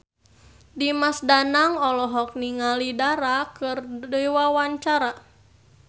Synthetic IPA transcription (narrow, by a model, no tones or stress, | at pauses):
dimasdanaŋɔlɔɦɔk̚niŋalidaɾakɨrdəiwawaɲt͡ʃaɾa